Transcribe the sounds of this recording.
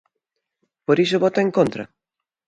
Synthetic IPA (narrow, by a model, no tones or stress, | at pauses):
poɾis̬oβɔt̪aeŋkõnt̪ɾɐ̰